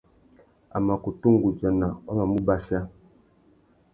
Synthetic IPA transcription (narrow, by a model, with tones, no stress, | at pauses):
a̰˨ma˨ko˨tu˦ŋ˦ɡu˨d͡ʒa˨na˨ɔ˦ma˨mu˦ba˦sa˦